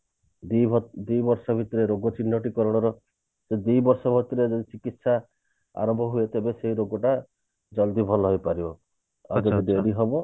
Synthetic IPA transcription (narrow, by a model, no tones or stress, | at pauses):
d̪ujbʱd̪ujbɔɾsɔbʱit̪ɔɾeɾoɡɔt͡ʃinːɔʈikɔɾɔɽ̃ɔɾɔ | sed̪ujbɔɾsɔbʱɔt̪iɾed͡ʒɔd̪it͡ʃikit̪sa | a̰ɾɔmbʱɔɦuet̪ebeseɦiɾoɡɔʈa | d͡ʒɔld̪ibʱɔlɔɦojpaɾibɔ | ad͡ʒɔɔd̪eɾiɦɔbɔ